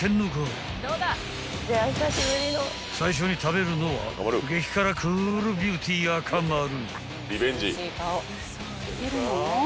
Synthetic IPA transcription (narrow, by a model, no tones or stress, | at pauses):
kʰenːukɯ | dod̪a | deasaɕiɡɯɾino | sʰaiɕ̬oɲit̪ʰaβeɾɯnowa̰ɾɯɡekʰi̥kʰaɾakʰɯɾɯbjut̪ʰiɡakʰamaɾɯna | ɾibeɲd͡ʑia